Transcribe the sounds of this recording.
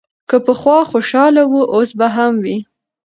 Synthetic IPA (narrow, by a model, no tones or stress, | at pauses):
kəpəxwɑxoʃɑlawuʔosbaɦamwi